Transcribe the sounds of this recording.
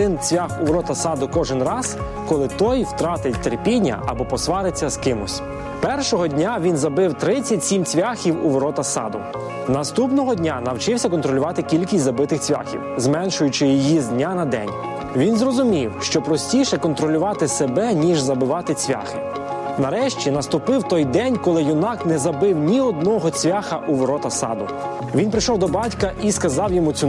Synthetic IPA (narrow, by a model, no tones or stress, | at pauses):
ɪnt͡sʲʋʲaxʊʋɾɔt̪ɐsɑd̪ʊkɔʒɪnrɑz | kɔlˠɪt̪ɔjwt̪ɾɑt̪ɪtʲt̪erpʲinʲːɐ̰ʔɐ̰bɔpɔsʋɑɾɪt͡sʲːɐskɪmʊsʲ | pɛrʃɔɦɔdʲnʲaʋʲinzɐbɪwt̪ɾɪt͡sʲːɐtʲsʲimt͡sʲʋʲaxʲiwʊ̰ʋɾɔt̪ɐsɑ̰d̪ʊ | nɐst̪upnɔɦɔdʲnʲanɐwt͡ʃɪwsʲɐkɔnt̪ɾɔlʲʊʋɑt̪ɪkʲilʲkʲisʲtʲzɐbɪt̪ɪxt͡sʲʋʲa̰xʲḭwzmɛnʃʊjʊt͡ʃɪjɔjizd̪ʲnʲanɐd̪ɛ̰nʲ | ʋʲinzrɔzʊmʲiwʃt͡ʃɔpɾɔsʲtʲiʃɛkɔnt̪ɾɔlʲʊʋɑt̪ɪsebɛnʲiʒzɐbɪʋɑt̪ɪt͡sʲʋʲa̰xɪ | nɐɾɛʃt͡ʃʲinɐst̪ʊpɪwt̪ɔjd̪ɛnʲkɔlˠɪjʊnɑknɛzɐbɪwnʲiɔd̪̚nɔɦɔt͡sʲʋʲaxɐʔuʋɔɾɔt̪ɐsɑ̰d̪ʊ | ʋʲinpɾɪʃɔwd̪ɔbɑtʲkɐʔiskɐzɑwjɔmut͡sʲu